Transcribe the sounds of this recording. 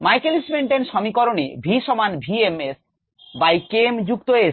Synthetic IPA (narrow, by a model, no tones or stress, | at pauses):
majkelismeɳʈenʃɔmikɔɾonḛbʱiʃɔmanbʱiemes | bajkemd͡ʑuk̚t̪oes